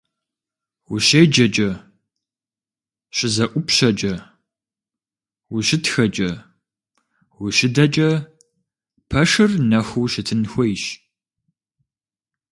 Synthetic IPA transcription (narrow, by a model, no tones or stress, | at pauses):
wʊɕejd͡ʒɐt͡ʃʼɐ | ɕʼɪzɐʔʷʊpɕɐd͡ʒʼɐ | wʊɕɪtxɐt͡ʃʼɐ | wʊɕɪdɐt͡ʃʼɐ | pʰɐʂɨrnɐxʷuwɕɪtʰɨnxʷɔjʃ